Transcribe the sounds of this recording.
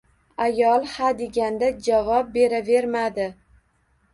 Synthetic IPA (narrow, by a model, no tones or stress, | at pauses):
ajɒlˠhad̪e̞ɡʲand̪ad͡ʒavɒp̚be̞ɾave̞ɾmad̪ɪ